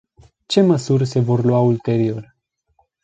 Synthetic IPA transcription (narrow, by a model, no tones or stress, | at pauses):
t͡ʃe̞məsurʲse̞vo̞rlwault̪e̞ɾio̞r